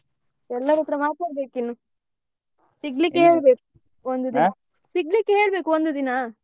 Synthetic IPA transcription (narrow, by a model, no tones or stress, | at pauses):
ɛlːɐɾɔt̪ːɾɐmaːt̪aːɽbe̞ːkinːu | siɡlikːeɦeːɭbeːku | ond̪ud̪inɐ | siɡlikːeɦeːɭbeːkuond̪ud̪ina